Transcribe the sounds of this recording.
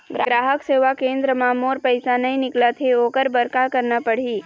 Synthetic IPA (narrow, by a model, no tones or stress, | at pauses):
ɡɾaɡɾaɦəkseʋakẽnd̪ɾəmãmoɾpəjsanəĩnɪklat̪ʰeokəɾbəɾkakəɾnapəɽ̤i